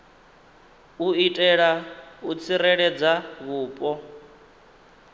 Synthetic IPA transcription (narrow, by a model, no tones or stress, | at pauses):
uitʼɛɺaut͡sʰirɛɺɛd͡zaβuːpʼɔ